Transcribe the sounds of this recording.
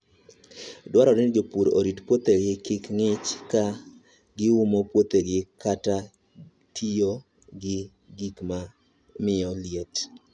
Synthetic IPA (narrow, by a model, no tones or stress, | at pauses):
dwaɾɔɾɪnd͡ʒopuɾo̰ɾitpwot̪eɡɪkɪkŋɪt͡ʃka | ɡɪumopwot̪eɡɪkʰata | tʰijo | ɡɪ | ɡikma | mɪɔljet